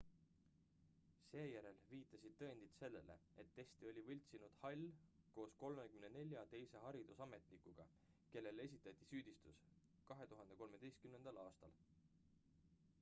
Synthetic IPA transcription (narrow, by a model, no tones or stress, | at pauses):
se̞ːjæɾe̞lviːt̪ˑːɑsid̪̥̚t̪ɤend̪̥it̪se̞lːe̞le̞̰e̞t̪ːe̞st̪io̞lʲivɤlʲt̪sinud̪̥hɑlʲːko̞ːsko̞lmekymnene̞lʲjɑt̪e̞jse̞ɦɑɾid̪usɑme̞t̪ˑlikːˑuɡ̥ɑ | ke̞lːe̞le̞s̬ʲit̪ːˑɑt̪ˑːisyːd̪̥ist̪us | kɑɦe̞t̪uɦɑnd̪e̞ko̞lme̞d̪̥e̞jst̪kymnend̪̥ɑlɑːst̪ɑl